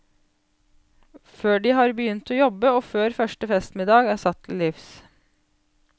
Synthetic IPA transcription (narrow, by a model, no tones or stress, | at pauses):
føːɖiːhɑːɾbəjʏnt̪oːjɔbəoːføːɾfœʂʈəfɛst̪mɪd̪ɑːɡæːsɑt̪ʰːl̩lɪfs